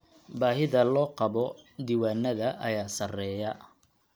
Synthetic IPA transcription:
baːɦɪðɐlɔːqɑβɔd̪iwaːnːɐðɐʔɐjaːsɐrɛːjɐ

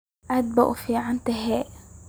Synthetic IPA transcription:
ʔad̪̚ba̰ʔufiʕant̪ɪɦɛːʔ

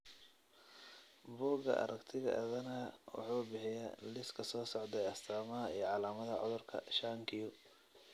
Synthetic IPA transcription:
buːɡɐ̰ʔɐ̰ɾʔɐɡt̪ʰɪɣɐ̰ʔɐ̰ðɐnɐwɑ̰ħuːbɪħɪjalɪskʰɐsɔːsɔʕd̪ɛjɐst̪ʰaːmɐɦɐijɞʕɑlaːmɐðɐʕɔ̰ðʊrkʰɐ̰ʃaːŋkʰɪjʊ

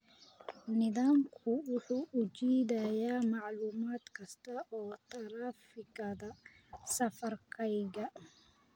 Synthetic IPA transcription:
nɪðaːmkʰʊwʊħuːʔʊd͡ʒiːd̪ɐjaːmɑʕluːmaːd̪kʰɐst̪ɐʔɔːt̪ɐɾaːfɪɡɐðɐ | sɐfɐrkʰɐjɡɐ

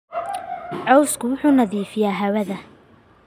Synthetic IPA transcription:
ʕɔwskʰʊwʊħuːnɐðiːfɪjaːɦɐwɐðɐ

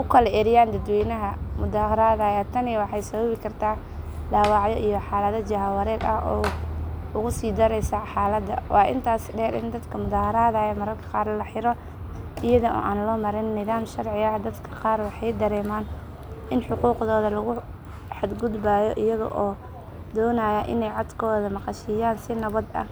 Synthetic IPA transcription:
ʔʊkʰɐlɛʔɛɾɪjaːnd̪ɐd̪wɛjnɐɦɐmʊdaːhɐɾaːðɐːjaːt̪ʰɐnɪwɑħɑjsɐβɐβɪkʰɐrt̪ʰaː | d̪aːwɑːʕjɔʔijɔħɑːlɐðɐd͡ʒɐɦɐwɐɾɛːd̪ɐ̰hɔː | ʊɣʊsiːd̪ɐɾɛjsaħaːlɐd̪ɐ̰wʔɑːʔɪ̰nt̪ʰaːsɖɛːɾʔɪ̰nd̪ɐd̪kʰɐmʊðaːhɐɾaːðajɛmɐɾɐrkʰɐ̥qɑːrlɐħɪɾɔ | ʔɪjɐðɐʔɔ̰ːʔaːnlɔːmɐɾɪnːɪðaːmʃɐrʕɪɣɐd̪ɐd̪kʰɐ̥qɑːrwɑħɑjd̪ɐɾɛːmaːn | ʔɪnħʊquːqðɔːðɐlɐɣʊ | ħad̪ɡʊd̪baːjɔʔɪjɐðɐ̰ʔɔː | d̪ɔːnaːjɐʔɪ̰nɛjʕɑd̪kʰɔːðɐmɑqɑʃɪjaːnsɪnɐβɐd̪ɐ̰

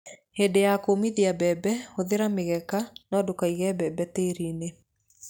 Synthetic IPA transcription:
heːdejakomiðiabɛbɛhoðeɾameɣɛkanɔːdokaiɣɛːbɛbɛteːɾine

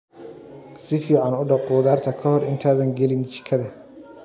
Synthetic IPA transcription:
sɪfiːʕɑnʊɖɑquːðaːrt̪ʰɐkʰɐhɔrɪnt̪ʰaːðɐŋɡɛlɪnt͡ʃɪ̥kʰɐðɐ

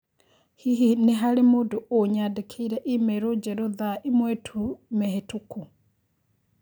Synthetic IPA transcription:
hiɦineɦalemoːdoʔoɲadekʰeiɾɛʔimɛɾod͡ʒɛɾoðaʔimwɛtʰumɛhetuku

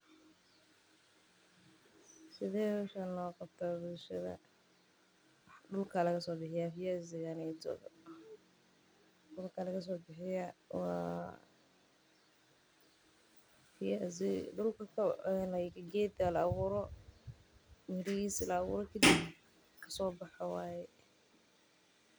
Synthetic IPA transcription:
sɪðɛːhɔʃanlɔːqɑbt̪ʰabʊlʃɐðɐ̰ | wħɖʊlkʰalɐɣɐsɔːbɪħɪjafɪjazɪɣanɛtɔ̰ðɔ̰ | ɖʊlkʰalɐɣɐs̬ɔːbɪħɪjawɑ̰ː | fɪjazɪɖʊlkʰɐkʰɐɛlɐkʰɐɡɛːd̪ɐlɐwʊɾɔ | mɪɾɐɣiːslɐːɣʊ̰ɾɔkʰɐd̪ib | kʰɐ̥sɔːbɑħɑwɑːjɛ

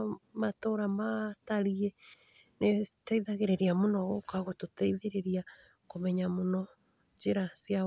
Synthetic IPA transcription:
matoɾamataɾiɛ | netaiðaɣeɾeɾiamonɔɣokaɣototaiðeɾeɾia | komɛɲamonɔ | d͡ʒeɾasja

